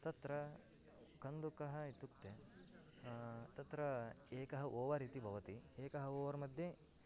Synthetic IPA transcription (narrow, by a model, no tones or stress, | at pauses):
t̪ɐt̪ɾɐ | kɐnd̪ukɐɦɐit̪ukʈ̪e | t̪ɐt̪ɾɐ | eːkɐɦɐʔoːʋɐɾiːt̪ibʱɐʋɐt̪i | eːkɐɦɐoːʋɐɾmɐd̪ʱje